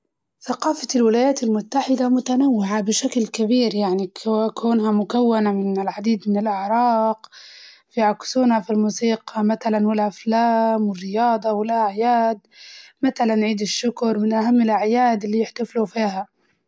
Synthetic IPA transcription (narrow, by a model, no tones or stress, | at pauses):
θaqɑːfalwɪlaːjaːt̪almʊt̪ːaħɪd̪amʊt̪anawːɪʕabɪʃaklkabiːɾjaʕnikkuːnɦamʊkawːanamɪnɪlʕad̪iːd̪mɪnɪlʔɪʕɾˤɑːq | fiʕaksuːnhafilmuːsiːqɑmaθalanwɪlʔaflaːmwɪrːɪjɑːd̪ˤɑwɪlʔaʕjaːd̪maθalanʕiːd̪ɪʃːʊkɾˤmɪnʔaɦamːɪlʔaʕjaːd̪ɪlːijɪħt̪aflufiːha